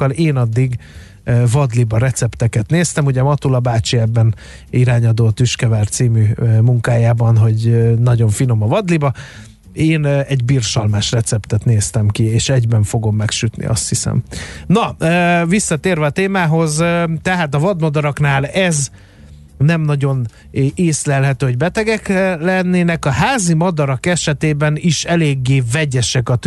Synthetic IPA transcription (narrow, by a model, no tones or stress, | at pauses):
kːɒleːnɒd̪ːiɡ | vɒd̪libɒɾɛt̪sɛpt̪ɛkɛt̪neːst̪ɛmuɟɛmɒt̪ulɒbaːt͡ʃiɛbːɛn | iɾaːɲɒd̪oːt̪yʃkɛvaːrt̪siːmymuŋkaːjaːbɒnɦo̞ɟønɒɟo̞ɱfino̞mɒvɒd̪libɒ | eːnɛɟbiːrʃɒlmaːʃrɛt̪sɛpt̪ɛt̪neːst̪ɛmkieːʃɛɟbɛɱfo̞ɡo̞mːɛkʃyt̪nḭʔɒ̰st̪hisɛ̰mnɒøːvisːɒt̪eːrvɛɒt̪eːmaːɦo̞zt̪ɛɦaːt̪ɒvɒd̪mɒd̪ɒɾɒknaːlɛz | nɛmnɒɟo̞n | ʔeːslɛlɦɛt̪øːɦo̞ɟbɛt̪ɛɡɛklɛnːeːnɛkɒɦaːzimɒd̪ɒɾɒkɛʃɛt̪eːbɛniʃɛleːɡːeːvɛɟɛʃɛkɒt̪